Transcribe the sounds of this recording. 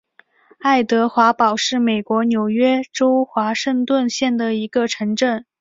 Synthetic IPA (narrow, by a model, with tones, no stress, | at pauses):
a˥˩ɪt̪ɤ˧˥xwa˧˥pɑ˨˩ʊʂɻ̩˥˩me˨˩ɪkwɔ˧˥njo˨˩ʊɥɛ˥ʈ͡ʂo˥ʊxwa˧˥ʂɤ˥˧ŋt̪wə˥˧nɕjɛ˥˩nd̪ə˩i˧˥ɡə˧ʈ͡ʂʰɤ˧˥ŋʈ͡ʂə˥˩n